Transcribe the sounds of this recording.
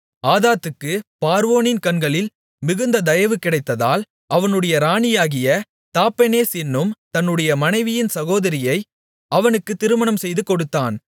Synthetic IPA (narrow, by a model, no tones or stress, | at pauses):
aːðaːt̪ːɯkːɯpaːɾʋoːnɪnkɐɳɡɐɭɪl | mɪɣɯnd̪ɐd̪ɐjɐʋɯkːɪɽɐɪt̪ːɐða̰ːl | ʔɐʋɐnɯɽɐjɐɾaːɳɪjaːɣɪjɐ | t̪aːpːɐneːsɪnːɯmt̪ɐnːɯɽɐjɐmɐnɐɪʋɪjɪnsɐɣoːðɐɾɪjɐɪ | ʔɐʋɐnɯkːɯt̪ːɪɾɯmɐɳɐmsɛjðɯkɔɽɯt̪ːaːn